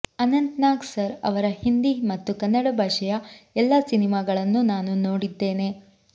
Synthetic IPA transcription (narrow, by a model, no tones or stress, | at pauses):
ɐnɐnt̪naːɡsɐɾɐ̰ʋɐɾɐhind̪imɐt̪ːukɐnːɐɽɐbʱaːʂɐjɐɛlːɐsinimaːɡɐɭɐnːunaːnuno̞ːɽid̪ːe̞ːne̞